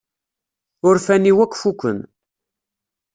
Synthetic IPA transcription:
ʊɾfæniwækʷːfukʷːə̰n

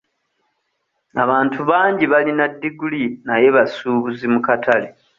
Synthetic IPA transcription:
aβaːntʰuβaːɲɟiβalinadːiɡulinaje̞βasuːβuzimukatʰale

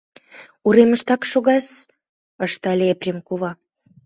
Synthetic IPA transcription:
uɾemə̆ʃt̪ɑkʃoɣɑs | ɤʃt̪ɑlʲeeprʲemkuβɑ

